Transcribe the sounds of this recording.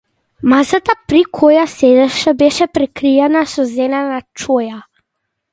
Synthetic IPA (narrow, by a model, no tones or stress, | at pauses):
masat̪apɾikʰɔjasɛd̪ɛʃabɛʃɛpɾɛkɾiɛnasɔzɛlɛnat͡ʃɔja